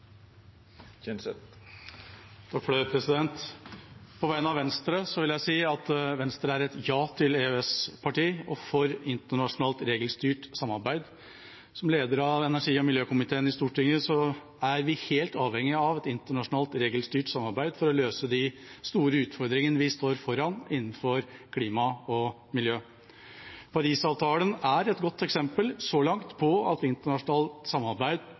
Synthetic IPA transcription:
t̪ʰɑkfløpʰɾɛsɪd̪ɛnt̪ | pʰɔʋæɪnɑʋɛnst̪ɾəsɔʋɪljæɪsiːɑt̪ʋɛnst̪ɾəæɾɛt̪jɑːt̪ʰɪleøɛspʰɑʈiːɔfɔɾɪnt̪əɳɑʂʊnɑːlt̪ɾeːɡəlst̪yːʈsɑmːɑɾbæɪd̪ | sɔmleːd̪əɾɑʋɛnæʂiːɔmɪljøːkʊmɪt̪ʰeːnɪst̪uːʈʰɪŋəsɔ | æɾʋɪheːlt̪ɑːʋhɛŋːɪɑʋɛt̪ɪnt̪əɳɑʂʊnɑːlt̪ɾeːɡəlst̪yːʈsɑmːɑɾbæɪd̪fɔɾɔløːsəd̪ɪst̪uːɾəʉːt̪fɔɾd̪ɾɪŋənəʋɪst̪oːɾfɔɾɑnɪnːn̩fɔɾkʰliːmɑɔ | mɪljøː | pʰɑɾiːsɑːʋt̪ʰɑːlənæɾɛt̪ɡɔt̪ːɛksɛmpəlsɔlɑŋt̪pʰɔɑt̪ɪnt̪əɳɑʂʊnɑːlt̪sɑmːɑɾbæɪd̪

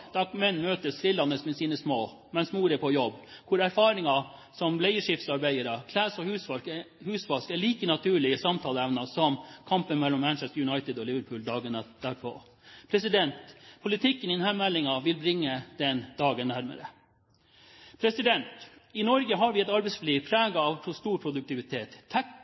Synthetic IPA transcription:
d̪̥ɑkmɛnːmøːt̪əst̪ɾɪlːɑnːəsmɛsiːnəsmoː | mɛnsmuːɾəpʰɔjɔbːkʰʊɾæɾfɑːɾɪŋɑ | sɔmlæɪəʂɪft̪sɑɾbæɪəɾɑkʰlæːsɔhʉːsfɑ | hʉːsfɑskɛɭiːkənɑt̪ʰʉːɭɪəsɑmt̪ʰɑːləɛʋnɑsɔmkʰɑmpənmɛlːɔmmænʃɛst̪ɾjʉnɑɪt̪ɪd̪ɔlɪʋəɾpʰʉːld̪ɑːɡənɑd̪̥æːɾpʰɔ̰ | pʰɾɛsɪd̪ɛnt̪pʰʊlɪt̪ʰɪkːənɪnhænmɛlːɪŋɑʋɪlbɾɪŋːəd̪̥ɛnd̪ɑːɡənːæɾmə̰ɾə̰ | pʰɾɛsɪd̪ɛnt̪ɪnɔɾɡəɦɑɾʋɪɛt̪ɑɾbɛɪsfliːɾpʰɾæːɡɑɑʋpʰʊst̪uːɾpʰɾʊd̪ʉk̚t̪ɪʋɪt̪ʰeːt̪ʰːæ

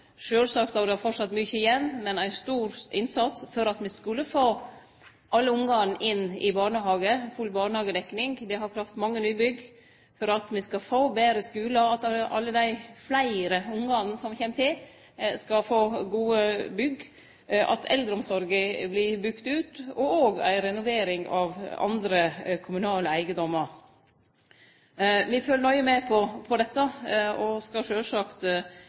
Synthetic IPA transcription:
ʂøːlsɑːksɑd̪ɑfɔʈsɑt̪ːmʏçəɪjɛnːmɛnæɪst̪uːɾɪnsɑt̪sfɔɾɑt̪mɪskʉlːəfoː | ʔɑlːəʊŋɡɑŋn̩ʔɪnːɪ̰bɑːɳəɦɑːɡəfʉlːbɑːɳəhɑːɡəd̪ɛkːnɪŋd̪ɛhɑɾkʰɾɑft̪mɑŋːənyːbʏɡ | fɔɾɑt̪mɪskɑfoːbeːɾəskʉːlɑɑt̪ʔɑ̰lːəd̪æɪflæɪɾəʊŋɡɑnn̩sɔmçeːmt̪ʰɪl | skɑfoːɡuːəbʏɡ | ʔɑ̰t̪ʰɛ̰ld̪ɾɔmsɔɾɡəblɪbʉkt̪ʉːt̪ɔoːɡæ̰ɪɾɛnʊʋeːɾɪŋɑʋɑ̰nd̪ɾəkʰʊmʉnɑːləæɪɡəd̪ɔmːəɾ | ʋɪføːlənɔʏəmɛpʰɔpʰɔd̪ɛt̪ːəɔskɑʂøːʂɑkt̪

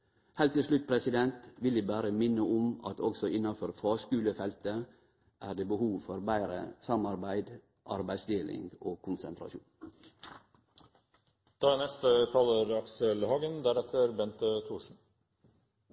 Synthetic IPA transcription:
hæɪlt̪ːɪlslʉt̪̚pʰɾɛsɪd̪ɛnt̪ʋɪlɪbæːɾəmɪnːəʊmɑ̰t̪ʰɔksɔʔɪnːɑfɔɾfɑːskʉːləfɛlt̪ə | ʔæːɖeːbəhuːʋfɔɾbæɪɾə̰sɑmɑɾbæɪd̪ | ʔɑ̰ɾbæɪsd̪eːlɪ̰ŋɡoːkʰʊnsə̰nt̪ʰɾɑ̰ʃṵːn | d̪̥ɑːnɛst̪ət̪ʰɑːləɾɑksəlhɑːɡənd̪æɾɛt̪ʰəɾbɛnt̪ət̪ʰuːsn̩

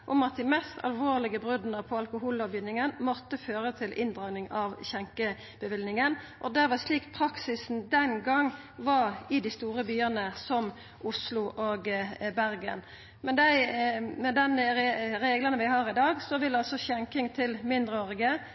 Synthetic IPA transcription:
ʔʊmɑt̪̚d̪ɪmɛst̪ʰɑ̰lʋoːʁlɪɡəbʁʉd̪nəpʰɔɑlkʊɦuːlɑʋʋjɪnːɪŋənmɔt̪ːəføːʁət̪ʰɪlʔɪnd̪ʁɑːɡnɪŋɑʋçɛŋkə | b̥əʋɪlnɪŋən | ʔɔd̪æʋɑʂliːkpʰɾɑksɪsn̩d̪ɛnɡɑŋ | ʋɑɾɪd̪ɪst̪uːɾəbyːənəsɔm | ʔʊslʊʔoɡbæɾɡə̰n | mɛnd̪æɪmɛd̪ɛnɾɾeːɡlɑnəʋɪhɑʁɪd̪ɑːɡsɔʋɪlɑsɔçɛŋkɪŋt̪ʰɪlmɪnd̪ʁəɔʁɪɡə

